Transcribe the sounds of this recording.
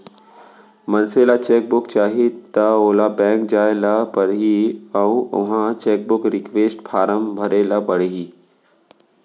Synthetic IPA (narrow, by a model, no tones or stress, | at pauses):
mɐnselat͡ɕeːk̚bʊkt͡ɕaːɦit̪ɐoːlabɛ̃ːŋkd͡ʑaːelapəɽɦiãũʊ̰ɦãt͡ɕeːk̚bʊkɾɪkʋeːsʈfaːɾəmbʱɐɾelapəɽɦiː